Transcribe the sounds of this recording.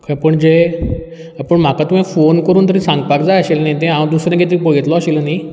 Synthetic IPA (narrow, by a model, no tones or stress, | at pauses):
kʰə̃pəɳd͡ʑe | apəɳm̤akat̪umĩfonkəɾuːnt̪əɾĩsãŋɡpakd͡zajəɕelnajt̪̬ẽɦãd̪usɾãɡʱet̪iɾpəɭet̪lɔaɕelnaj